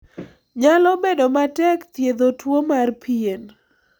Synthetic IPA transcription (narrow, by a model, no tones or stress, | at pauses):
ɲalɔbedɔmatɛkt̪jed̪otwomarpien